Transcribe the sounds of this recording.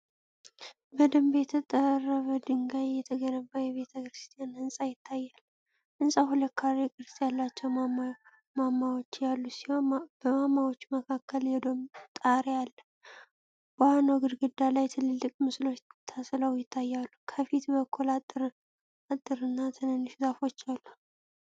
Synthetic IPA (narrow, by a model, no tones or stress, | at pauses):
bəd̪əmbjɛt̪ʰət̪ʼərːəβəd̪ɨŋɡajɛt̪ʰəɡənəbajɛβe̞t̪ʰəkɾɨst̪ʼijanɨnsʼajɪt̪ʰːajːal | ʔɨnsʼaɦulət̪kʰaɾekʼɨɾɨsʼjalːat͡ʃːɛw | mamːawot͡ʃːjalːusihob̥əmamːawot͡ʃːməkʰakːəljɛd̪omt̪ʼaɾealːə | b̥əanoɡɨd̪ɡɨd̪ːalajt̪ʰɨlːɨlːɨkʼmɨslo̞t͡ʃːt̪ʰasləwjɪt̪ʰːajːalːukʰəfit̪bəkʰːulat̪ʼːɨɾ | at̪ʼːɨɾɨnːat̪ʰənənːɨʃut̪ʼafo̞t͡ʃːalːu